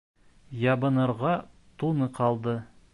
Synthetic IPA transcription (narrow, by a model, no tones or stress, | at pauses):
jɑbɤ̆nɤ̆ɾʁɑ | t̪unɤqʰɑlˠd̪ɤ